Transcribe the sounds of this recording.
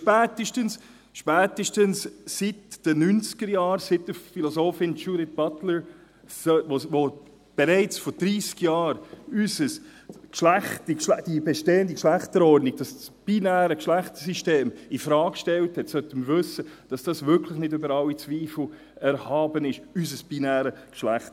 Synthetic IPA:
ʃpæːtəʃtəns | ʃpæːtəʃtənssitd̥ənynt͡sɡ̥əɾjɑːɾsɪtəfilɔsoːfɪnt͡ʃuɾɪt̚b̥ɑtləɹ | sʋoʋo | b̥ɛɾɛɪt͡sfɔɾd̥ɾiːskjɑːɾysəskʃlæχtikʃlæd̥ibɛʃteːəndikʃlæχtəɾɔɾdniɡ̚d̥ɑssb̥inæːɾəkʃlæχtəsiʃteːmifɾɑːkkʃtɛlthɛtsœtəməvʏsəd̥ɑsd̥ɑsvʏɾkʰləχnɪdʏbəɾɑlit͡sviːfl̩ | ɛɾhɑːbənɪʃysəsb̥inæːɾəkʃlæχt

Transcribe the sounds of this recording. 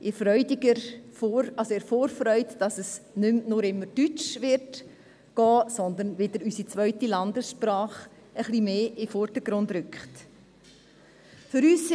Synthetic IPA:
ʔɪfɾœʏdɪɡəɾfoɾɑsoɪːɾfoːɾfɾœʏtd̥ɑsɛsnʏmnʊɾɪmːəɾd̥yt͡ʃʋɪɾt | ɡ̥ɑːsɔnd̪ənʋɪd̥əɾysit͡svœʏtilɑndəsʃpɾɑːχ | əχlimeːʔɪfɔɾd̥əɡ̥ɾʊndɾʏkχt | fʏɾyːs

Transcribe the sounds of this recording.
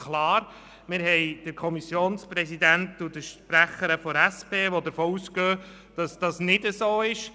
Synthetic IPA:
klɑːɾ | mɪːɾɦɛɪd̥əɾkʰɔmisjoːnspɾɛsidæntʊdəʃpɾæχəɾəfɔɾæspeːʋod̪əɾfoːusɡøː | d̥ɑsd̥ɑsnɪdəsoːɪʃ

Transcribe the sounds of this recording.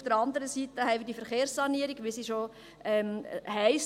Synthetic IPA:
fd̥əɾɑndəɾəsitəɦɛɪʋidifəɾχeːɾsːɑniəɾiɡʋisiʃo | ɛmɦɛɪs

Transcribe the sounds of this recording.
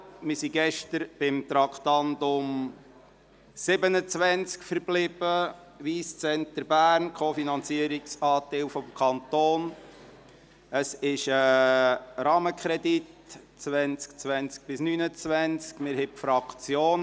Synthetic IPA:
mɪsiɡɛʃtəɾb̥ɪmt̪ɾɑkχt̪ɑndʊm | sɪbənət͡sʋænt͡skfəɾb̥lɪb̥ə | ʋiːst͡sɛntəɾbæːrnkʰofinɑnt͡siəɾiksɑːtɪlfɔmkʰɑnt̪oːn | əsɪʃə | ɾɑːməkχɾɛdit | t͡sʋɛnt͡skt͡sʋænt͡sk̚b̥ɪsnyːnət͡sʋænt͡skmɪɾhɛpfɾɑkt͡sjoːn

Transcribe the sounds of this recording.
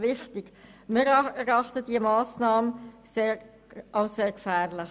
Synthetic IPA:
ʋɪχtɪɡ | mɪɾɛɾɑχtəd̥iəmɑːsnɑːmə | seːɾ | ʔaʊsseːɾkfæːʁlɪχ

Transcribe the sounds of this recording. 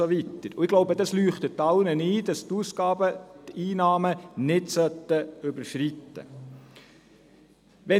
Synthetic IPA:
oʋitəɾʊ̰ɪɡ̥loʊbədɑslyːχt̪ətːɑʊnəniːd̥ɑstuːsɡ̥ɑːbətiːnɑːmənɪdsœt̪ːəʏbəɾʃritːə̰ | ʋɛ

